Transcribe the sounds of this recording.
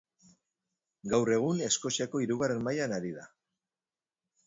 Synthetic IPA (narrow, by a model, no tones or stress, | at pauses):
ɡawre̞ɣ̞une̞sko̞siako̞iɾuɣare̞nmajanaɾiða